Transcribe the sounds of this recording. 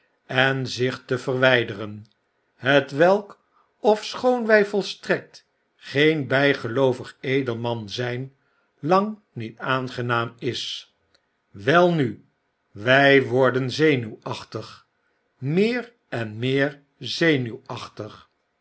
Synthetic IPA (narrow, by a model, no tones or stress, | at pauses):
ɛnzɪχtəvərʋɛjdərən | ɦətʋɛlˠk | ɔfsχownʋɛjvɔlˠstrɛk̚t | χejnbɛjχəlowvəχejdəlˠmɑnzɛjn | lɑŋ | nitaːnχənaːmɪs | ʋɛlˠny | ʋɛjʋɔɹdənzejnywɑχtəχ | mɪːr | ɛnmɪːɹ | zejnywɑχtəχ